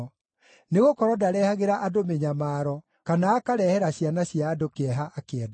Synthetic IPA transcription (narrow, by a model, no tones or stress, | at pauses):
neɣokɔɾɔdaɾɛhaɣeɾaʔadomeɲamaːɾɔ | kanaːkaɾɛhɛɾaɕjanaɕiaːdokeɛɦaʔakeɛda